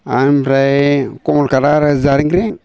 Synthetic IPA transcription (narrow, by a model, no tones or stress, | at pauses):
amɾajkomulkaɾaɾazaɾiŋɡɾeŋ